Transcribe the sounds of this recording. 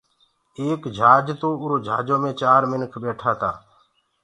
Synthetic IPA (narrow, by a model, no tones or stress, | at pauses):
eːkd͡ʒʱaːd͡ʒt̪oːʊɾoːd͡ʒʱaːd͡ʒoːmẽːt͡ʃaːɾmɪnkʰɓeːʈʰaːt̪a̰ː